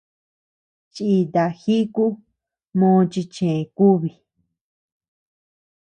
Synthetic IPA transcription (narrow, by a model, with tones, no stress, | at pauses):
t͡ʃi˧d̪a˧˨xi˦ku˦ | mõː˦˧t͡ʃi˧t͡ʃẽ˨ku˦βi˨